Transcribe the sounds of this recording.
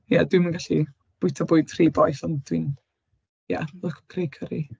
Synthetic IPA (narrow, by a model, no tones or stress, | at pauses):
jadwimənɡaɬi | b̥ʊjtʰɔbʊːɨd̥ʰr̥iːbɔjθɔndwin | ja̰lˠəkʰkʰrejkʰəɾi